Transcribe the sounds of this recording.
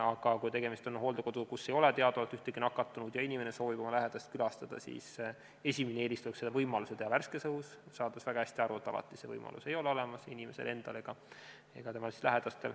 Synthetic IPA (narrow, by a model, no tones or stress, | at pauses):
ɑɡ̥ɑkujt̪e̞ɡe̞mist̪onɦo̞ːld̪eko̞d̪̥ukusːe̞jo̞let̪e̞ɑd̪olt̪yht̪eɡinɑkːˑɑt̪ːˑunud̪̥jɑinʲime̞ne̞so̞ːvib̥o̞mɑlæɦe̞d̪̥ɑst̪̚kylɑst̪ɑd̪̥ɑ̰sḭːs | e̞sʲiminee̞ːlist̪ueksed̪ɑvɤjmɑluset̪ehɑværskesɤɦussɑːd̪esvæɡ̥ɑhæsʲt̪iɑɾue̞t̪ːˑɑ̰lɑ̰t̪ːˑise̞vɤ̰jmɑ̰lṵse̞jo̞leo̞lemɑsinime̞se̞̰le̞nd̪̥ɑle̞ɡ̥ɑ | e̞̰ɡ̥ɑt̪e̞mɑlsi̥slæɦed̪̥ɑst̪e̞l